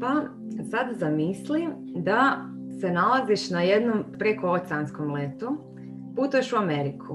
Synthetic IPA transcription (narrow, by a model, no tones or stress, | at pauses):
pa | sad̪zamisli | d̪a | se̞nalˠaziʃnaje̞d̪nompɾekoosanskomlet̪u | put̪ue̞ʃuame̞ɾikʰu